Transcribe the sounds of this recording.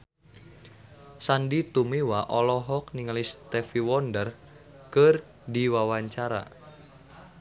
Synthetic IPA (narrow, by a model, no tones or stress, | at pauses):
sandit̪umewaʔɔlɔɦɔk̚niŋalist̪ɛfiwɔndər | kər | diwawaɲt͡ʃaɾa̰